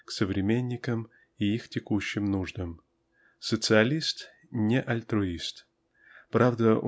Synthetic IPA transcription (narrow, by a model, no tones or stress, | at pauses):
ksəvɾʲɪmʲenʲːɪkəm | iixtʲɪkuɕːɪmnuʐd̪əm | sət̪sɨɐlʲist̪ | nʲɪʔɐlʲt̪ɾʊist̪ | pɾavd̪ə